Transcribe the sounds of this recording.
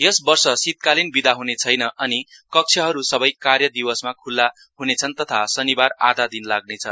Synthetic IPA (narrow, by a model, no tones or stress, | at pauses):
jʌsbʌrsʌsit̪̚kalinbid̪aɦunet͡sʰʌjnʌʌnikʌk̚t͡sʰʌɦʌɾusʌbʌjkarjʌd̪iwʌsmakʰulːa | ɦunet͡sʰʌnt̪ʌt̪ʰasʌnibara̰d̪ad̪inlaɡ̚net͡sʰʌ